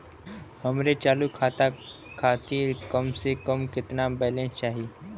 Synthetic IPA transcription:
həmɾet͡ʃaːlukʰaːt̪a | kʰaːt̪iːɾkəmsekəmkɪt̪nabɛlẽt͡ʃaːɦiː

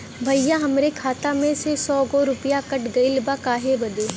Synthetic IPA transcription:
bʱɐijaɦɐmɾekʰaːt̪amẽsesɔːɡoɾʊpɪjakɐʈɡɐɪlbakaːɦebɐd̪eː

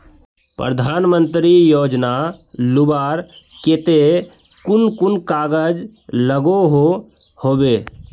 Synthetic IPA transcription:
pɾəd̪ʱaːnmə̃nt̪ɾijoːd͡ʒnalʊbaːɾket̪e | kʊnkʊnkaːɡəd͡ʒləɡoɦo | hoːbeː

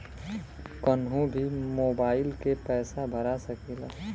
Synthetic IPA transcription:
kənɦũbʱimoːbaːɪlkepɛːsabʱəɾasəkila

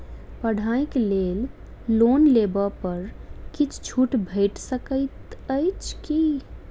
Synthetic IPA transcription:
pəɽ̤ʱajklel | lonlebəpəɾkit͡ʃʰt͡ʃʰuʈbʱəɪʈsəkəɪt̪əjt͡ʃʰki

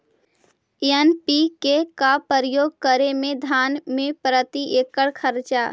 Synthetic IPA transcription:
ənpikekapəɾəjoːɡ̚kəɾemẽd̪ʱaːnmẽpɾət̪iʔekəɽkʰəɾt͡ʃa

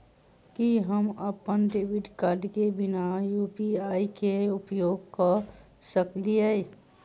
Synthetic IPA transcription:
kiɦəməpənɖeːʋɪɖkaːɖkebɪnajuːpiaːikeʊpjoːɡka | səkliəe

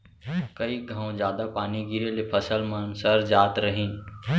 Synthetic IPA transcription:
kəiɡʱãõzjaːd̪apaːniɡiɾelepʰəsəlmənsəɾd͡ʒaːt̪ɾəɦĩː

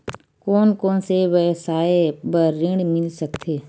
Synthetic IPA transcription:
koːnkoːnsewəsaːebəːɪ̃ɳɖmɪlsək̚t̪ʰeː

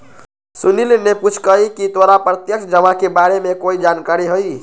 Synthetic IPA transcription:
sunilneput͡ʃʰkəikit̪oɾapɾət̪jəkt͡ʃʰd͡ʒəmãkebaɾemekoid͡ʒankaɾiɦoj

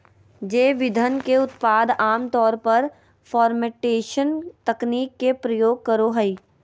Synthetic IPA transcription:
d͡ʒeːʋɪd̪ʱənkeʊt̪paːd̪ʱaːmt̪ɔːɾpɐɾ | fɔːɾmeʈeːʃənt̪ɐkniːkːepɾɐjoːɡ̚kɐɾoɦɛi

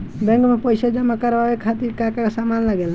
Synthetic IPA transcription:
bɛ̃ŋkmẽpəɪsad͡ʒəmakəɾʋaʋekʰat̪iɾkakasamaːnləɡel

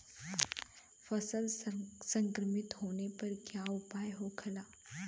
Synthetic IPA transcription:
fɐsəlsɐ̃ŋkɾəmɪt̪ɦoːnepɐɾkjaʊpaːjɦokʰɐlaː

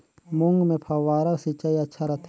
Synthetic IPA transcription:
mʊŋɡmẽpʰɐʋaːɾasit͡ʃajɐtːʃʰaɾɐt̪ʰ

